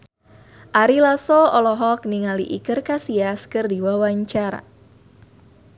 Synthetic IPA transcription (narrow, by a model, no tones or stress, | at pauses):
ʔaɾilasoɔlɔɦɔk̚niŋaliʔikɨrkasiaskɨrdiwawaɲt͡ʃaɾa̰